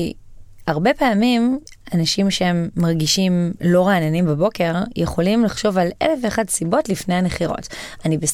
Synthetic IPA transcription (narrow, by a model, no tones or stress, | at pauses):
i | aʁbe̞paːmim | anaʃimʃeemːaʁɡiʃimlo̞ʁaːnanimbabo̞ke̞ʁjeχo̞limlaχʃo̞valʔḛlefeːχadsibo̞tlifne̞jhaneχiʁo̰tanibes